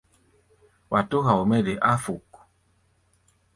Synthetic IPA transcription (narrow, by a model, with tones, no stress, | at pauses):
wʔa˨to˦ɦa˨o˨mɛ˦de˨ʔa˦fu˨k